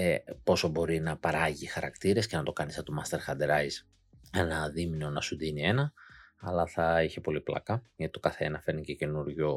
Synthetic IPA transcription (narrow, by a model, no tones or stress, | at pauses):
epo̞sobo̞ɾinɐpɐɾɐʝixɐɾɐkt̪iɾe̞sce̞nɐt̪o̞kɐnist̪omɐst̪e̞ɾxɐnd̪eɾɐjz | enɐðimnio̞nɐsuðinie̞nɐɐlɐθɐiçe̞po̞liplɐ̰kɐʝɐt̪i̥t̪o̞kɐθeenɐfe̞ɾnicece̞nuɾʝo